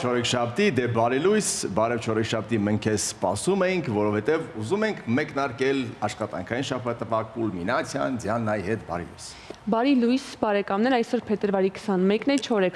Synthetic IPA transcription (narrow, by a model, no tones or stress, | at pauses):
t͡ʃʰɔɾɛkʰʃɑpʰt̪id̪ɛbɑɾilujsbɑɾɛvt͡ʃʰɔɾɛkʃɑp̚t̪iməŋkʰɛsspɑsumɛjiŋkʰvɔɾɔfɛt̪ɛvuzumɛŋkʰmɛknɑɾkɛlɑʃχɑt̪ɑ̰ŋkʰɑjinʃɑpʰɑt̪ːəvɑkulminɑt͡sʰjɑ̰nd͡zjɑnːɑjiɦɛt̪bɑ̰ɾḭlṵjs | bɑɾilujsbɑɾɛkɑmnɛɾɑjsɔɾpʰɛt̪əɾvɑɾikʰsɑnmɛknɛt͡ʃʰɔɾɛk